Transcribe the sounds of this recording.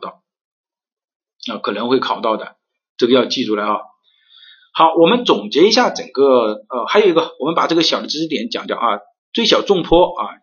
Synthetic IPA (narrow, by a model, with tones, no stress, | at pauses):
t̪ɑ˥˩ʊ | ə˥˧kʰɤ˨˩nə˧˥ŋxwe˥˩ɪkʰɑ˨˩ʊt̪ɑ˥˩ʊd̪ə̰˩ | ʈ͡ʂɤ˥˩ɡə˧jɑ˥˧ʊt͡ɕi˥˧ʈ͡ʂu˥˩la˧˥ɪɑ˧˩ | xɑ˨˧˥ʊwɔ˨˩mə˦nt͡sʊ˨˩ŋt͡ɕjɛ˧˥i˧˥ɕja˥˩ʈ͡ʂə˨˩ŋɡə˥˧ə˧xa˧˥ɪji˥ɡə˧wɔ˨˩mə˦npa˨˩ʈ͡ʂɤ˥˩ɡə˩ɕjɑ˨˩ʊd̪ə˦˥ʈ͡ʂɻ̩˥t̪jɛ˧˥nt͡ɕjɑ̰˨˩ŋt̪jɑ̰˨˩˦ŋɐ˧˩ | t͡swe˥˩ɪɕjɑ˨˩ʊʈ͡ʂʊ˥˧ŋpʰwɔ˥ɐ˥˩